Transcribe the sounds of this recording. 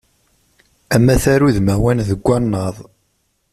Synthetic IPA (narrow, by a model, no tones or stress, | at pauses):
æmːæθæɾuðmæwænðəɡʷːɑnːəðˤ